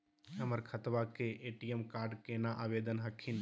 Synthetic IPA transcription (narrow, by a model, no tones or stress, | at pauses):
ɦəməɾkʰət̪ʋakeʔeːʈijəmkaːɾɖkenaʔaːʋeːd̪ənɦəkʰin